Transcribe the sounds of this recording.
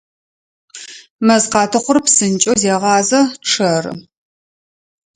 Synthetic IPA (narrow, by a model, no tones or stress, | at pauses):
mɐzqɑːtʰɨχʷʊrpsɨnt͡ʃʼozeːʁɑːzɐʈ͡ʂʰɐrɨ̰